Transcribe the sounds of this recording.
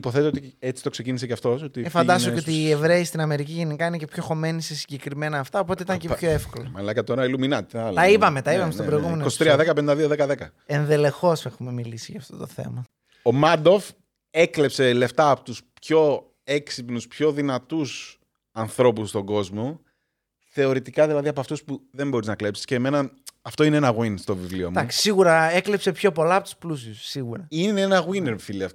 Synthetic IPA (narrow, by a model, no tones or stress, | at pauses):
ipo̞θet̪eot̪iet͡si̥t̪o̞ksecinis̬eceɐft̪o̞sot̪iefɐnd̪ɐsoceot̪iːe̞vɾe̞ist̪inɐme̞ɾiciʝe̞nikɐine̞ce̞pço̞xo̞me̞nisesiɲɟe̞kɾime̞nɐːft̪ɐo̞po̞t̪eit̪ɐŋcepçoe̞fko̞lɐmɐlɐkɐt̪o̞ɾɐiluminɐt̪ɐlt̪ɐipɐmet̪ɐipɐmest̪obɾoiɣumenokosit̪ɾiɐðekɐpenid̪ɐðioðekɐðekɐ | enðe̞le̞xo̞sexume̞milisiʝɐft̪ot̪o̞̰θe̞̰mɐ | omɐd̪of | e̞klepse̞le̞ft̪ɐːpo̥t̪uspço̞ | eksipnuspçoðinɐt̪us | ɐnθɾo̞pust̪o̞ɡo̞zmo̞ | θe̞o̞ɾit̪ikɐðilɐðiɐpoɐft̪uspuðe̞mbo̞ɾiznɐkle̞psi̥sceːme̞nɐɐft̪o̞ineenɐɣwinst̪o̞vivlio̰md̪ɐksi̥siɣuɾɐeklepse̞pço̞po̞lɐɐpot̪u̥splusjussːiɣuɾɐineenɐɣwineɾfiliɐ